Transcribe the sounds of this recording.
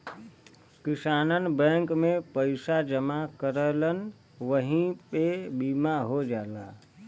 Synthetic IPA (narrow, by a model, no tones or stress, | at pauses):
kisanənbə̃ŋkmepəɪsad͡ʒəmakəɾələn | ʋəɦĩpebimaɦod͡ʒala̰